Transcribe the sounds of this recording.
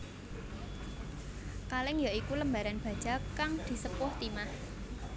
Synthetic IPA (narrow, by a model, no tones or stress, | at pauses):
kalɪŋjaikuləmba̤ɾanb̥a̤d̥ʒ̥a̤kaŋd̪̥i̤səpʊht̪imah